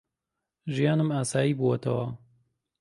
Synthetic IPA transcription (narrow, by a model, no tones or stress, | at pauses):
ʒijaːnɨmaːsaːjiːbuwɐt̪ʰɐwɐ